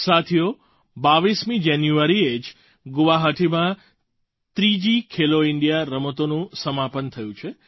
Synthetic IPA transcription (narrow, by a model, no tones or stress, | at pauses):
sat̪ʰijo | baʋismĩd͡ʒanjuaɾied͡ʒ | ɡʊʋaɦaʈʰimã | t̪ɾid͡ʒikʰeloɪɳɖijaɾəmət̪onũsəmapənt̪ʰəjũt͡ʃʰe